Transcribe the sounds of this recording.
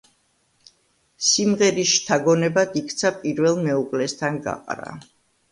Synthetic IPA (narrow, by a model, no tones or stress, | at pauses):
simʁɛɾisʃt̪ʰaɡɔnɛbad̪ikʰt̪sʰapʼiɾvɛlˠmɛukʼlɛst̪ʰanɡa̰qʼɾa̰